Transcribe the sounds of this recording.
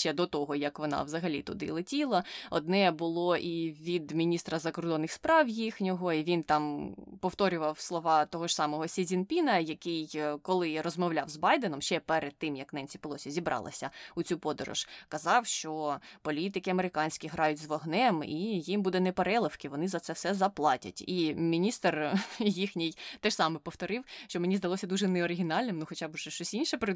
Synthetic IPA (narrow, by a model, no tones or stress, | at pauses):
ʃt͡ʃɛd̪ɔt̪ɔɦɔjɐkʋɔnɑ̰ʋzɐɦɐlʲḭt̪ʊ̰d̪ɪ̰lˠetʲilˠɐɔd̪nɛbʊlˠɔʔiʋʲid̪mʲinʲist̪ɾɐzɐkɔrd̪ɔnːɪxspɾɑwjixnʲɔɦɔiʋʲint̪ɑmpɔwt̪ɔɾʲʊʋɐwslˠɔʋɑt̪ɔɦɔʒsɑmɔɦɔsʲizʲinpʲinɐjɐkɪjkɔlˠɪrɔzmɔwlʲɑwzbɑjd̪enɔmʃt͡ʃɛpɛɾed̪̚t̪ːɪmjɐknɛnʲt͡sʲipɪlˠɔsʲizʲibɾʔɑ̰lˠɐ̰sʲɐʊt͡sʲupɔd̪ɔɾɔ̰ʒ̥kɐzɑwʃt͡ʃɔpɔlʲit̪ɪkɪɐmeɾɪkɑnʲsʲkʲiɦɾɑjʊtʲzʋɔɦnɛmijimbud̪ɛnɛpeɾɛlˠɪfkɪʋɔnɪzɐt̪sɛfsɛzɐplˠɑtʲɐ̰tʲimʲinʲist̪rjixnʲɪjt̪ɛʃsɑmɛpɔwt̪ɔɾɪwʃt͡ʃɔmenʲizd̪ɐlˠɔsʲɐd̪uʒɛnɛɔɾɪɦʲinɑlʲnɪmnuxɔt͡ʃɑbʒɛʃt͡ʃɔsʲinʲʃɛpɾɪ